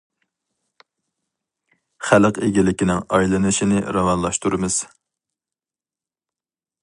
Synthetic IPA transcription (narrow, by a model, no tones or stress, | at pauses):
χæləqeɡʲilɪkʲinɪŋɑjlˠɨnɨʃinɪɾɑwɑnlˠɑʃt̪uɾɨmɨz̥